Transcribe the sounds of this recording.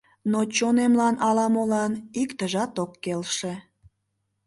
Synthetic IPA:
not͡ɕonemlɑnʔɑlɑmolɑnikt̪əʒɑt̪okːelʃe

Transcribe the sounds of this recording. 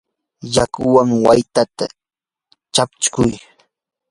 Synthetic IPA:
jakʊwaŋwajt̪at̪a̰ | t͡ʃapt͡ʃkʊj

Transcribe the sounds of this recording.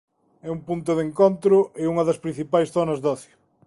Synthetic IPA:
ɛumpunt̪̬ʊðeŋkont̪ɾʊɪuŋɐðɐspɾĩn̟θipajsθonɐzðɔθjʊ

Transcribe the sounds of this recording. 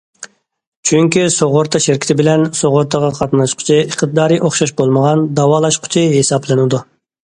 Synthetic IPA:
t͡ʃʰyŋkʲisoʁʊɾt̪ʰɑʃɪɾkʲi̥t̪ʰɪbɪlɛnsoʁʊɾt̪ʰəʁɑqʰɑt̪nɑʃqʰʊ̥t͡ʃʰɪəqt̪ʰɨd̪ɑːɾijʔoχʃɑʃbolˠməʁɑnd̪ɑwɑːlˠɑʃqʰʊ̥t͡ʃʰɪɦesɑblˠɨnɨd̪u

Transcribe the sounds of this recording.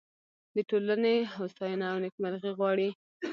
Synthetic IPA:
d̪əʈolaneɦost̪ɑjɑnaːwnɪkmalɣiɣwɑɽi

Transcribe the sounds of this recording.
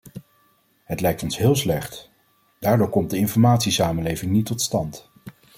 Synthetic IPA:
ɦətlɛjk̚tɔnsɦɪːlˠslɛχt | d̥aːɹdʊːɹkɔmt̚dəɪnfɔɹmaːtsisaːmənlejvɪŋnitːɔtstɑnt

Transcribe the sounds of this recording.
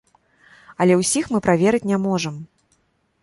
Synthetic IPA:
ɐlʲɛwsʲixmɨpɾavʲɛɾɨt͡sʲnʲamɔʐɐm

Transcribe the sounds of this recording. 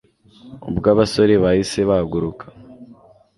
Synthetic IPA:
ṵbɡaːβaso̞ɾe̞βahise̞βaaɡuɾukʰḁ

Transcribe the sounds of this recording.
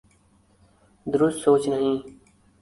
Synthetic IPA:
d̪əɾʊst̪soːt͡ɕnəɦĩː

